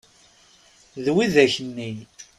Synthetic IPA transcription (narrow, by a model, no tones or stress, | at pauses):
ðwiðæçənːin